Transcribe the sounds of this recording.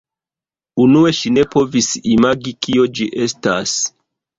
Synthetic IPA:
unue̞ʃine̞po̞visimaɡikio̞d͡ʒiʔe̞stas

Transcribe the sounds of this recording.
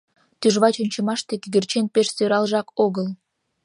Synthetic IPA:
t̪yʒβɑt͡ɕonʲt͡ɕə̆mɑʃt̪ekɡɘrt͡ɕenpeʃsøɾɑlʒɑkoɣəl

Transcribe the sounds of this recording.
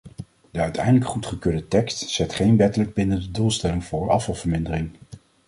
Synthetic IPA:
dəœɥtʰɛ̰jdələkχutχəkøːɹdətɛkstsɛtχejnʋɛtələɡ̚bɪnəndədulˠstɛlɪŋvʊːɹɑ̰fɑlˠv̥əɹmɪndərɪŋ

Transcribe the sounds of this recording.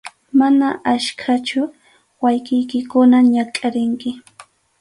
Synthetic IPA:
manaaʃkʰat͡ʃʊ | wajkɪjkɪkʊnaɲakʼaɾɪŋkɪ

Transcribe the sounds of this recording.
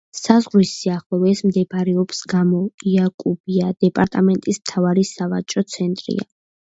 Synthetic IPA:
sazʁlisːiaχlˠɔvɛsmd̪ɛbɾɛɔbsɡamɔiakʼub̥iad̪̥ɛpʼaɾt̪ʼamɛnt̪ʼismt̪ʰavaɾisavat͡ʃʼɾɔt̪sʰɛnt̪ʼɾḭa̰

